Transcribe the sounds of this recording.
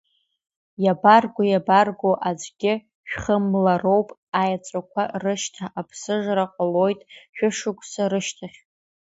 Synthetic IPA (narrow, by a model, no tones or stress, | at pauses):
jabarɡʷʊjabarɡʷoʔad͡ʒʼɡʲɪ | ʃᶣχəmlaro̞wpʼajat͡sʷʼakʷʰarɨʃtʰaʔapʰsɨʐɾaqʼəlo̞jtʼʃᶣʊʂɨkʷʰʼsaɾɨʃtʰaχʲ